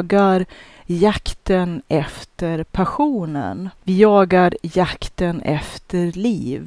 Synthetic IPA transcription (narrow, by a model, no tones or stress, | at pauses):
ɡaɾ | jakt̪ənɛft̪əɾpʰaɧuːnə̰nvɪjɑːɡaɾjakt̪ənɛ̰ft̪ʰəɾliːv